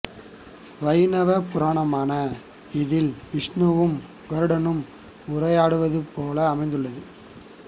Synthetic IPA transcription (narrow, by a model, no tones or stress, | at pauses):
ʋɐɪnɐʋɐpʊɾaːɳɐmaːnɐ | ɪðɪlʋɪʂɳɯʋɯm | ɡɐɾɯɽɐnɯm | ʊrɐjaːɽɯʋɐðɯpoːlɐːmɐɪnd̪ɯɭːɐðɯ